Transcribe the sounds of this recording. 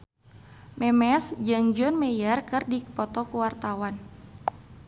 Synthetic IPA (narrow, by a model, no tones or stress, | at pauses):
mɛmɛsd͡ʒɨŋd͡ʒɔnmɛjarkɨrdipɔt̪ɔkuwart̪awan